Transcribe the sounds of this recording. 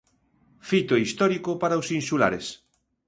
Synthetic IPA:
fit̪oist̪ɔɾikopaɾaosinsula̰ɾes

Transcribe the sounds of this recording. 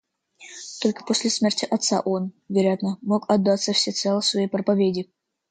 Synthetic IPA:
t̪o̞lʲkə̥posʲlʲɪsmʲertʲɪʔɐt̪sa̰ʔon | vʲɪɾʲat̪nəmokɐd̪ːɑt̪sːəfsʲet̪sɛlˠəsvɐipɾəpɐvʲedʲɪ

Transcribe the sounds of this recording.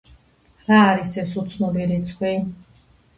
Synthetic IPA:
ɾaːɾisɛsut̪sʰnɔbiɾit̪sʰkʰwi

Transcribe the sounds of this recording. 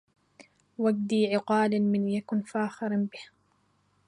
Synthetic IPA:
waɡ̚d̪iːʕɪqɑːlmɪnjakʊnfaːxɪɾnbɪh

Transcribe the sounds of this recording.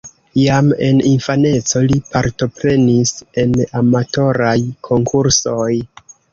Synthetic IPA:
jame̞̰ninfane̞t͡so̞lipaɾto̞pɾe̞nise̞namato̞ɾajkʰo̞ŋkʰuɾso̞j

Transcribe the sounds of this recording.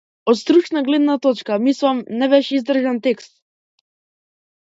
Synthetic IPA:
ɔt̪st̪ɾut͡ʃnaɡlɛd̪nat̪ɔt͡ʃkamislˠamnɛbɛʃɛizd̪r̩ʒɛnt̪ɛkst̪̚

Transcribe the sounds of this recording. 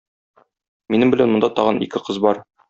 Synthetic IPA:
minɘmbɘ̆lænmŏnd̪ɑt̪ɒʁɤnḭkɘqɤzbɒɾ

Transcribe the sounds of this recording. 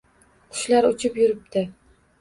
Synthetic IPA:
qʰʊ̥ʃlaɾʊt͡ʃʰɪpjʊɾɪp̚t̪ʰɪ

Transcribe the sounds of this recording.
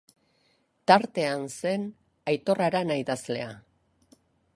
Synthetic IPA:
t̪aɾt̪e̞anse̞n | ajt̪o̞raɾanajðazle̞̰a

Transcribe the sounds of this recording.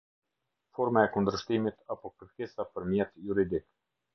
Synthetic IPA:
fɔɾmaɛkund̪əʃt̪imit̪apɔkəɾkɛsapəɾmjɛt̪juɾid̪ik

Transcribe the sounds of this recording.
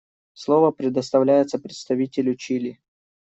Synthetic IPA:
slˠovəpɾʲɪd̪əst̪ɐvlʲæjɪt̪səpɾʲɪt̪st̪ɐvʲitʲɪlʲʊt͡ɕilʲɪ

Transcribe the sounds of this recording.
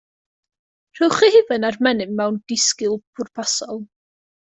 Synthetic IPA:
r̥ɪwχihɪvɨnarmɛnɨmɛwnd̥ɪskɪlˠpʰʊrpʰasɔlˠ

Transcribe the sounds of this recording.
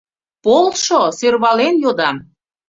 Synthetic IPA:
polʃosørβɑlenjod̪ɑm

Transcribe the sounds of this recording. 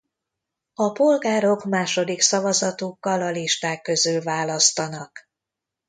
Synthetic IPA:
ɒpo̞lɡaːɾo̞kmaːʃo̞d̪iksɒvɒzɒt̪ukːɒlɒliʃt̪aːkːø̞zylvaːlɒst̪ɒnɒk

